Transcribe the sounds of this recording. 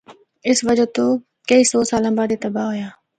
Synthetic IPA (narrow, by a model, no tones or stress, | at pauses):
ɪsʋəd͡ʒət̪oː | kəiːsɔːsaːlãːbaːd̪eːt̪əbaːɦoːjaː